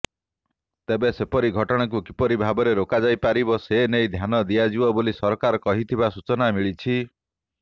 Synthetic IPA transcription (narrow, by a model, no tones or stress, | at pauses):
t̪ebesepɔɾiɡʱɔʈɔɽ̃ak̬ukipɔɾibʱabɔɾeɾokad͡ʒajpaɾibɔsenejd̪ʱjanɔd̪iad͡ʒiwɔbolisɔɾkaɾɔkɔɦit̪ʰibasut͡ʃɔnamiɭit͡ʃʰi